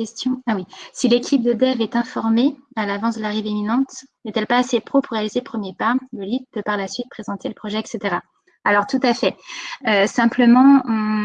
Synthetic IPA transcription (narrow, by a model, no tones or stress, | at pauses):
ɛst̪jɔ̃awisilekʲʰip̚d̪əd̪ɛvɛt̪ɛ̃fɔʁmealavɑ̃s̬d̪əlaʁiveminɑ̃t̪nɛt̪ɛlpaːsepχopuʁːealizelpχəmjepaləlid̪pøpaʁlasɥit̪̚pχezɑ̃t̪eləpχɔʒɛːkset̪eʁa | alɔʁt̪ut̪afɛøsɛ̃pləmɑ̃ɔ̃